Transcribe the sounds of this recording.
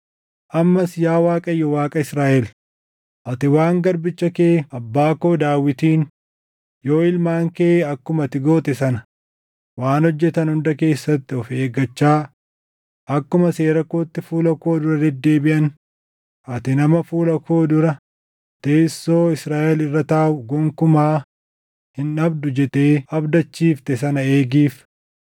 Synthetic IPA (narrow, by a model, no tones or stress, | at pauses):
ʔɐmːɐsjaːwaːkʼɐjːɔwaːkʼɐɪsɾaːʔɛl | ʔɐt̪ɪwaːŋɡɐɾbɪt͡ʃːɐkeːɐbːaːko̞ːd̪aːwːɪt̪iːn | jo̞ːɪlmaːŋkeːɐkːʊmɐt̪ɪɡo̞ːt̪ɛsɐnɐ | waːnhɔd͡ʒːɛt̪ɐnhʊnd̪ɐke̞ːsːɐt̪ːɪɔfeːɡɐt͡ʃːaː | ʔɐkːʊmɐseːɾɐkoːt̪ːɪfuːlɐkoːd̪ʊɾɐd̪ɛd̪ːe̞ːbɪʔɐn | ʔɐt̪ɪnɐmɐfuːlɐkoːd̪ʊɾɐ | t̪eːsːo̞ːɪsɾaːʔɛlɪrːɐt̪aːwʊɡɔŋkʊmaː | hɪnɐbd̪ʊd͡ʒɛt̪eːɐbd̪ɐt͡ʃːiːft̪ɛsɐnɐeːɡiːf